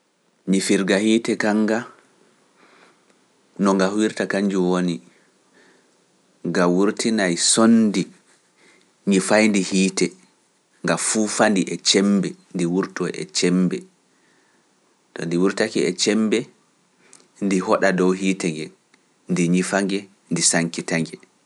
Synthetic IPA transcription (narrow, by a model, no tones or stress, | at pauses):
ɲifiɾɡahiːtɛkaŋɡa | nɔŋɡahwiɾtakaɲd͡ʒuwoni | ɡawuɾtinajsondi | ɲifajndihiːtɛ | ŋɡafufandiʔɛt͡ʃɛmbɛndiwuɾtɔɛ̰t͡ʃɛmbɛ | tɔndiwuɾtakiɛt͡ʃɛmbɛ | ndiɦɔɗadɔwɦiːtɛŋɡɛ | ndiɲifaŋɡɛ | ndisaŋkitaŋɡɛ